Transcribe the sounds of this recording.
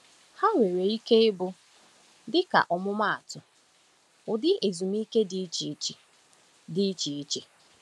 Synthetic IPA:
ha˦we˨ɾe˨i˦ke˦ɪ˦bʊ˦ | dɪ˦ka̰˨ʔɔ˨mʊ˦ma˦˨a˨tʊ˨ | ʊ˨dɪ˦ʔe˨zu˨m̩˦i˦ke˦di˦t͡ʃ | dɪ˦t͡ʃi˨˦t͡ʃi˨

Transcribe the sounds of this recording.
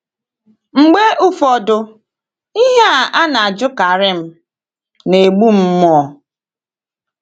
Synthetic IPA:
ŋ͡m̩˨ɡ͡be˦ʔʊ˦fɔ˨dʊ˨ | i˦ɦe˦a˨ʔa˦na˨a˨d͡ʒʊ˦ka˨ɾɪ˦m̩˦ | ne˨ɡ͡bu˦m̩˦mɔ˨

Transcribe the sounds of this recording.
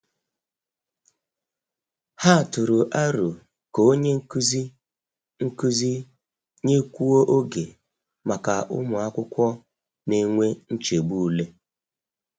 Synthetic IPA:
ha˦˨tʊ˨ɾʊ˨ʔa˦ɾu˨ | ko˨˦o˦ɲe˦zi˦ | ŋ̩˦ku˦zi˦ | ɲe˦kʷu˦wo˦ʔo˦ɡe˨ | ma˨ka˨ʔʊ̰˦mʊ˨a˦kʷʊ˦kʷɔ˦ | ne˦ŋʷe˦n̩˦t͡ʃe˨ɡ͡bu˦˨u˦le˦

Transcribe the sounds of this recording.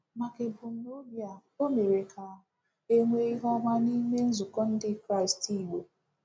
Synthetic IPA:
ma˨ke˨bʊ˨m̩˦no˦bja˨o˦me˨ɾe˨kʰa˨ | e˦ŋʷe˦i˦ɦɔ˦ma˦ni˦me˦n̩˦zu˨kɔ˦n̩˦dɪ˦kɾa˦˨ɪ˨sti˦˨we˨

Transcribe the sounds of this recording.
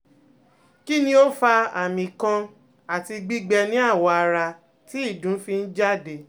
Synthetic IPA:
ki˦nĩ˦o˦fa˧a˨mĩ˨kã˧ | a˨ti˧ɡ͡bi˦ɡ͡bɛ˧nĩ˦a˦˨wɔ˧a˧ɾa˧ | ti˦i˦˨dũ˨˦fi˧n̩˦d͡ʒa˦˨de˨

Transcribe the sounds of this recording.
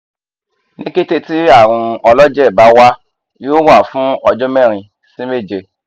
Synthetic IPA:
nĩ˦ke˦te˦ti˦a˦˨ɾ̃ũ˧ɔ˧lɔ˦d͡ʒɛ˦˨ba˨˦wa˦ | jo˦wa˦˨fũ˦ɔ˧d͡ʒɔ˦mɛ̃˦˨ɾ̃ĩ˧ | sĩ˦me˦˨d͡ʒe˧

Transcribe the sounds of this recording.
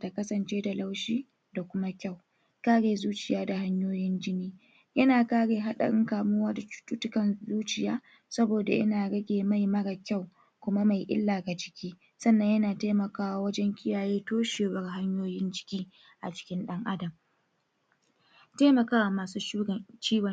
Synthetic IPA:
da˨kɐ˦sɐ˨nt͡ʃeː˦da˨la˦wʃiː˦ | da˨kʷʊ˦ma˦kʲa˦˨w | kaː˦ɽeː˨zuː˦t͡ʃɪ˨jaː˦da˨ha˦ɲjoː˦jɪ˦nd͡ʒɪ˦niː˦ | jɐ˦naː˨kaː˦ɽeː˨ɦa˦ɗɐ̰˨ɾɪ̰˦ŋkaː˨mʊ˦waː˦da˨ʊ̥˦tʼu˦tʊ˦kɐ˨nzuː˦t͡ʃɪ˨jaː˦ | sɐ˦boː˨da̰˨ʔɪ̰˦naː˨ɽɐ˦ɡʲeː˨ma˦jmɐ˦ɡa˨kʲa˦˨w | kʷʊ˦ma˦ma˨jʔɪ̰˦lːaː˨ɡa˨t͡ʃɪ̥˦kʲiː˦ | sɐ˦nːɐ˨˦ɲjɐ˦naː˨taː˦mɐ˨kaː˦wa˨wɐ˦d͡ʒɛ˦ŋkʲʰɪ˦jaː˨jeː˦toː˦ʃeː˨wɐ˦rɦa˦ɲjoː˦jɪ˦nd͡ʒɪ̥˦kʲiː˦ | ʔa̰˨t͡ʃɪ̥˦kʲɪ˦nɗɐ˦ŋʔa˦dɐ˨m | teː˦mɐ˨kaː˦wa˨maː˨suː˦uː˦˨t͡ʃiː˦ɡɐ˨

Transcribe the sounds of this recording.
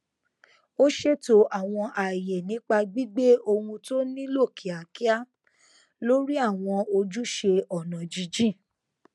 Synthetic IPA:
o˦ʃe˦˨to˨˦ʔa˨w̃ɔ̃˧ʔa˨je˨nĩ˨˦k͡pa˧ɡ͡bi˦ɡ͡be˦o˧hũ˧to˦nĩ˦lo˦˨kʰi˨a˨ki˦a˦ | lo˦ɾi˦a˦˨w̃ɔ̃˧o˧d͡ʒu˦ʃe˧ɔ˨nã˨d͡ʒi˧d͡ʒi˦˨

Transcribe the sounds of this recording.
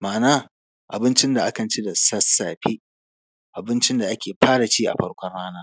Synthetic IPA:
maː˨naː˦ | ʔa̰˨bɪ˦nt͡ʃɪ˦nda˨ʔa˦kɐ˨nt͡ʃi˦da˨sɐ˦sːaː˨ɸiː˦ | ʔa˨bɪ˦nt͡ʃɪ˦nda˨ʔa˦kʲeː˨ɸʰaː˦da˨t͡ʃiː˦ʔa̰˨ɸɐ˦ɽkʷɔ˦nɽaː˦naː˦

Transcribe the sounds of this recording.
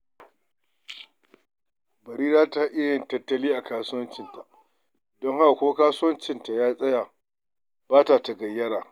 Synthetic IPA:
bɐ˨ɾiː˦zaː˦ta˦ʔɪ˦jɐ˨ntɐ˦tːɐ˦liː˦ʔa˨kaː˦sʊ˦wɐ˦nt͡ʃɪ˨nta˨ | dɔ˦ŋha˦ka˨kʷoː˦kaː˦sʊ˦wɐ˦nt͡ʃɪ˦˨nta˨jaː˦sʼɐ˦ja˨ | baː˦ta˨ta˨ɡɐ˨jːɐ˦ɽaː˨

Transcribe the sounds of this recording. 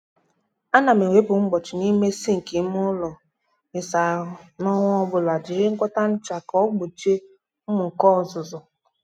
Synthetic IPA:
a˦na˨me˨wʷe˦pʊ˨ŋ͡m̩˦ɡ͡bɔ˨t͡ʃɪ˨ni˦me˦si˦ŋ̩˨ki˨˦m˦ʊ˦lɔ˨ | mɪ˨sa˨nɔ˦ŋʷ˦ɔ˦bʊ˨la˨d͡ʒɪ˨ɾe˦ŋ̩˦kʷɔ˦ta˦n̩˦t͡ʃa˨kɔ˦ɡ͡bo˨t͡ʃe˦ | m̩˦mʊ˨ŋ̩˨kɔ˦˨zʊ˨zʊ˨

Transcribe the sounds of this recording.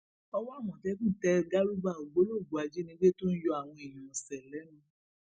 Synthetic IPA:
ɔ˧wɔ˦a˦˨mɔ̃˨tɛ˨˦kũ˦˨tɛ˧ɡa˦ɾu˦ba˦˨o˨ɡ͡bo˨˦lo˦˨ɡ͡bu˨˦a˧d͡ʒi˦nĩ˧˦ɡ͡be˦to˦n̩˦jɔ˧a˨w̃ɔ̃˧e˨j̃ɔ̃˨sɛ˨lɛ˨˦nũ˦

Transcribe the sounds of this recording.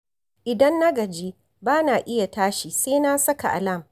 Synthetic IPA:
ʔɪ˨dɐ˦nːɐ˦ɡɐ˨d͡ʒiː˦ | baː˦naː˨ʔɪ˦ja˨taː˦ʃiː˨seː˦naː˦sɐ˦ka̰˨ʔa̰˨lɐ˦˨m

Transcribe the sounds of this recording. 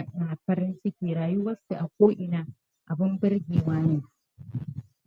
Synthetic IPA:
naː˨ɸɐ˦ɾɪ˦nsɪ˦kʲiː˨ɾaː˨ju˦wɐ˦sːu˨ʔa˨kʷoː˦ʔɪ˨naː˨ | ʔa˨bɪ˦mbɪ˦ɾɡʲiː˨waː˦neː˦˨

